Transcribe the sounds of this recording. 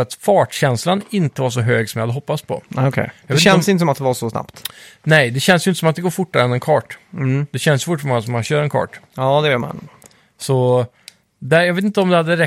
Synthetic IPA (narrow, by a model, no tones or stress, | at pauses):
at̪fɑːʈɕɛnslanɪnt̪əvaɾʂɔɦøːɡsɔmjɑhad̪əɦɔpːaspʰɔ̰kʰɛ̰jjɑɡveɛnsɪnt̪əsɔmat̪̚d̪ɛvaɾʂɔsna̰pt̪nɛjd̪ɛɕɛnsjʏɪnt̪əsɔmat̪̚d̪ɛɡoːɾfʊʈːaɾənɛnkʰɑːʈd̪̥ɛɕɛnd̪sjfʊʈːfɔmɔŋːas̬ɔmanɕøːɾɛnkʰɑ̰ːʈɑːd̪ɛveːt̪ma̰n | sɔ | d̪æjɑɡveːt̪ɪnt̪əɔmd̪ɛhad̪ːəɾɛ